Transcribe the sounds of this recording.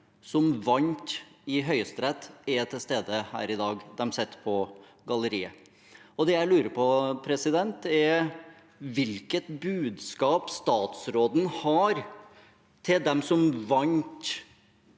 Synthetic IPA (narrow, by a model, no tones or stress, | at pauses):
sɔmʋɑnt̪ɪɦœʏəst̪ɾɛt̪ɛt̪ʰɪlst̪eːd̪əhæ̰ːɾɪd̪ɑːɡd̪ɛmsɛt̪ːpʰɔ | ɡɑləɾiːə | ɔd̪ɛjæɪlʉːɾəɾpʰɔpʰɾɛsɪd̪ɛnt̪ɛɾ | ʋɪlkət̪bʉːd̪skɑːpst̪ɑːt̪sɾoːd̪n̩hɑɾ | t̪ʰɪld̪ɛmsɔmʋɑɲt̪